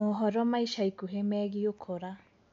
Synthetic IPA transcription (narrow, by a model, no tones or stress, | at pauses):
oɦɔɾɔmaiʃaikuɦemɛɣiokʰoɾa